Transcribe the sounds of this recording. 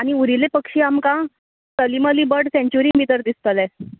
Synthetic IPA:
aɽ̃iuɾilepəkʂiːamkã | təliməliːbəɽsẽɲt͡ɕuɾimid̪əɾd̪ist̪əlɛ

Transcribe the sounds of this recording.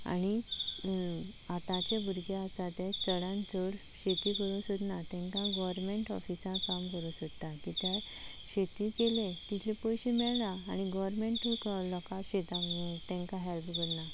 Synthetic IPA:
a̰ni | at̪ãt͡ɕebuɾɡeasat̪ẽt͡səɽãnt͡səɽ | ɕet̪ikəɾũːɕəd̪nat̪ɛ̃ŋkãɡɔʋəɾmeɳʈɔ̰fisãkamkəɾũɕəkt̪akit̪ja | ɕet̪ikelẽt̪it̪ʰlipɔjɕĩmɛɭnaːñiɡɔʋɾmeɳʈuklɔkaɕet̪at̪ɛ̃ŋkaɦɛlpɡəɾna

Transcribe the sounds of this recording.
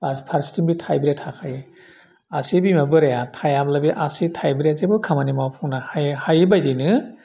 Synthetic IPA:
apʰaɾstimbitʰajbɾetʰakʰaj | asibimabɯɾajatʰajablabiʔasitʰajbɾazebɯkʰamanimawpʰɯŋnahajɯbajdinɯ

